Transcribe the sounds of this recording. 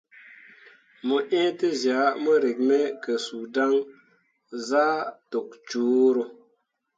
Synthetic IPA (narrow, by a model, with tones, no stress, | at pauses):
mo˨ʔẽː˦te˦zja˨˦mə˦ɾe˨k̚me˦kə˨su˨da˦ŋ | zaː˦to˨k̚t͡ʃuː˨˦ɾo˨